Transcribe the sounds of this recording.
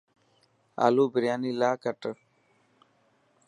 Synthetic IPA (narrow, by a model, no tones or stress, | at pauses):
a̰ːluːbɪɾjaːniːlaːkəʈə